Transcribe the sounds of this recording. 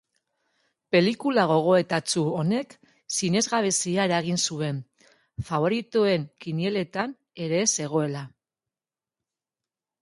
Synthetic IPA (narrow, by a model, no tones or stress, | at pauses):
pe̞likulaɣ̞o̞ɣ̞o̞e̞t̪at͡suo̞ne̞k | sine̞zɣaβe̞siae̞ɾaɣ̞insue̞n | faβo̞ɾit̪oe̞ŋkinie̞le̞t̪an | e̞ɾe̞ːse̞ɣ̞o̞e̞la